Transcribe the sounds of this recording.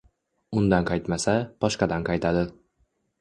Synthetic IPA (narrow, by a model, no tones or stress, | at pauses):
ʊnd̪anqʰɑjt̪masab̥ɒʃqɑd̪anqʰɑjt̪ʰad̪ɪ